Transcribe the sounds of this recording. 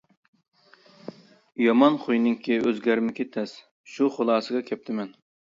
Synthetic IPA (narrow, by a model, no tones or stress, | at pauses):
jɑmɑnχʰojnɪŋkʲʰiøzɡʲæɾmɪkʲɪt̪ʰɛs | ʃuχolˠɑːsɨɡɑkʲʰɛp̚t̪ʰɪmɛn